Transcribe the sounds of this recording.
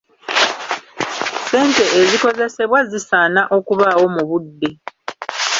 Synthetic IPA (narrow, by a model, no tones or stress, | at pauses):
se̞ːnte̞ʔːziko̞ze̞se̞βwazisanaʔo̞kuβawo̞muβudːe̞